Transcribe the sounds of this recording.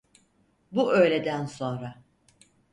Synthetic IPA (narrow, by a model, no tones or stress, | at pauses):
buøjlʲe̞d̪ænso̞nɾa